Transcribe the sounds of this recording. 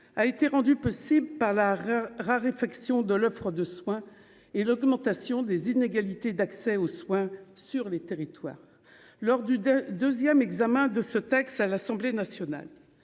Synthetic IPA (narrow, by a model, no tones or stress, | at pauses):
aet̪eʁɑ̃d̪ypɔsibləpaʁlaʁaʁefaksjɔ̃d̪əlɔfχəd̪əswɛ̃ | elɔɡmɑ̃t̪asjɔ̃d̪ezineɡalit̪ed̪aksɛoswɛ̃syʁlet̪eʁit̪wa̰ːʁ | lɔʁd̪yd̪øzjɛmɛɡzamɛ̃d̪əsət̪ɛkst̪alasɑ̃blenasjɔna̰l